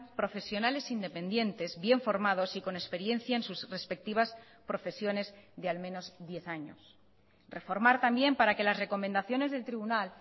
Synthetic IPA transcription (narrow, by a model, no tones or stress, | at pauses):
pɾo̞fe̞sjo̞nale̞sind̪e̞pẽ̞nd̪je̞nt̪e̞zβje̞ɱfo̞ɾmað̞osiko̞ne̞spe̞ɾje̞n̟θjaensusre̞spe̞k̚t̪iβ̞as | pɾo̞fe̞sjo̞ne̞zðe̞almẽ̞no̞zd̪je̞θaɲo̰s | re̞fo̞ɾmaɾt̪ambje̞mpaɾake̞lasre̞ko̞mẽnd̪aθjo̞ne̞zðe̞lt̪ɾiβunal